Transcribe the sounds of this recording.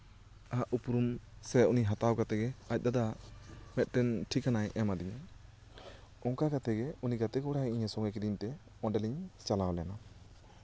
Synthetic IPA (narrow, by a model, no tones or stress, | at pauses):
aʔupuɾumsɛuniɦat̪awkat̪ɛɡɛac̚d̪ad̪amɛt̪̚ˀʈɛnʈʰikːanajʔɛmad̪iɲa | ɔŋkakat̪ɛɡɛuniɡat̪ɛkɔɽaiɲɛsɔŋɛkidiɲt̪ɛ | ɔ̃ɖɛliɲt͡ʃalawlɛjana